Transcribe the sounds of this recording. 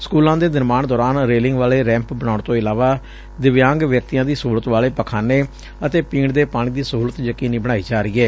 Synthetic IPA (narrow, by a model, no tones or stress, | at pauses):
skuːlãːd̪eːd̪əɾmaːɳd̪ɔːɾaːnɾeːlɪ̃ŋɡʋaːleːɾɛ̃ːmpbəɽ̃aːʊɳt̪õːɪlaːʋaː | d̪ɪʋjãːŋɡʋjək̚t̪ijãːd̪iːsuːlət̪ʋaːleːpəkʰaːneː | ət̪eːpiːɳd̪eːpaːɽ̃iːd̪iːsəɦuːlət̪jəkiːniːbəɽaːiːd͡ʒaːɾiːɛː